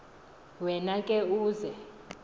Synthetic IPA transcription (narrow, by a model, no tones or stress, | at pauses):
wɛnakʼɛuːzɛ